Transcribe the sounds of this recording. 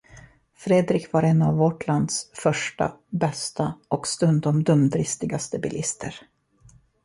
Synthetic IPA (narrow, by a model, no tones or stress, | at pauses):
fɾeːd̪ɾɪkvaɾɛnːavːɔʈland̪sfœʂʈa̰bɛst̪aɔkst̪ɵnd̪ɔmd̪ɵmd̪ɾɪst̪ɪɡast̪əbɪlʔɪst̪ʰəɾ